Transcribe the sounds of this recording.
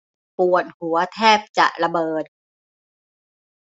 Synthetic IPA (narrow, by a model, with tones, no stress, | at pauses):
pu˨˩ət̪̚hu˩˦ɐt̪ʰɛː˥˩p̚t͡ɕa̰˨˩ʔɾa˧bɤː˨˩t̪̚